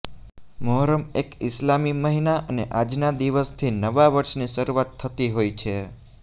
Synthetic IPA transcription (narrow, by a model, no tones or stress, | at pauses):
moɦɾəmekɪslamiməɦinaʔəneʔad͡ʒnad̪iʋəst̪ʰinəʋaʋəɾʃniʃəɾuʋat̪ʰːət̪iɦojt͡ʃʰe